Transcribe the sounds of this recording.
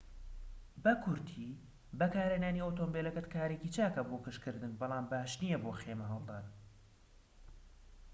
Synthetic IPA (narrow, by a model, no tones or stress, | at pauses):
bɐkʰʊɾt̪ʰiː | bɐkaːɾenaːniowt̪oːmbeːlɐkɐt̪kaːɾeːcit͡ʃaːkɐboːkɨʃkɨɾd̪ɨnbɑlˠaːmbaːʃnijɛboːxeːmɐɦɑlˠd̪aːn